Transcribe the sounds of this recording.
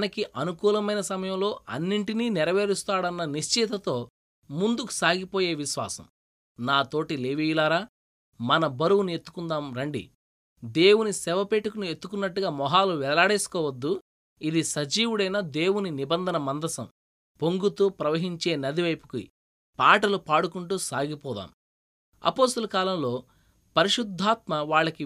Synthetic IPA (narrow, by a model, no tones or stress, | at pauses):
nɐkiʔɐnukuːlɐmɐjnɐsɐmɐjɐmlo̞ːʔɐnːiɳʈiniːnɛɾɐʋeːɾist̪aːɽɐnːɐniʃt͡ʃit̪ːɐt̪o̞ː | mund̪uku̥saːɡipoːje̞ːʋiʃʋa̰ːsɐ̰m | naːt̪o̞ːʈileːʋijulaːɾaː | mɐnɐbɐɾuwunie̞t̪ːu̥kund̪aːmɾɐɳɖḭ | d̪e̞ːwunisɛʋɐpeːʈukɐnue̞t̪ːukunːɐʈːuɡaːmɔɦaːluʋɛlaːɽeːsu̥kɔːʋɐd̪ːu | id̪isɐd͡ʒiːʋuɽɐjnɐd̪e̞ːwuninibɐnd̪ʱɐnɐmɐnd̪ɐsɐ̰m | poŋɡut̪uːpɾɐʋɐɦiɲt͡ʃe̞ːnɐd̪iʋɐjpu̥kuḭ | paːʈɐlupaːɽukuɳʈuːsaːɡipɔːd̪a̰ːm | ɐ̰poːst̪ɐlɐkaːlɐmlo̞ː | pɐɾiʂud̪ʱːaːt̪mɐʋaːɭːɐki